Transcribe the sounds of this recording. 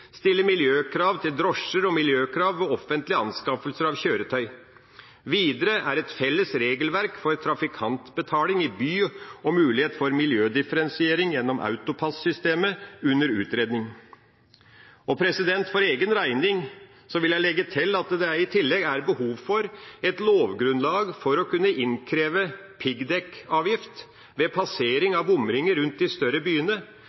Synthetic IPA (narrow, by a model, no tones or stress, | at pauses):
st̪ɪlːəmɪljøːkʰɾɑːʋt̪ʰɪld̪ɾɔʂːəɾɔmɪljøːkʰɾɑːʋʋɔɔfənt̪lɪɑnskɑfəlsəɾɑʋçøːɾət̪ʰœʏ | ʋiːd̪əɾəʔæɾɛt̪fɛlːəsɾeːɡəlʋæɾkfɔɾt̪ʰɾɑfɪkʰɑnt̪bət̪ʰɑːlɪŋɪbyːɔmʉːlɪheːt̪fɔɾmɪljøːd̪ɪfəɾɛnsɪeːɾɪŋjɛnːɔmʔɑ̰ʉt̪ʊpʰɑssʏst̪eːməʉnːəɾʉ̰ːt̪ɾeːd̪nɪŋ | ɔpʰɾɛsɪd̪ɛnt̪fɔɾeːɡənɾæɪnɪŋ | sɔʋɪljæɪlɛɡːət̪ʰɪlːɑt̪d̪ɛæɪt̪ʰɪlːɛɡæɾbəhuːʋfɔɾɛt̪loːʋɡɾʉnlɑːɡfɔɾɔkʉnːəʔɪnkʰɾeːʋə | pʰɪɡd̪ɛkɑːʋjɪft̪ | ʋɛpʰɑseːɾɪŋɑʋʊmɾɪŋəɾʉnt̪̚d̪ɪst̪œɾəbyːənə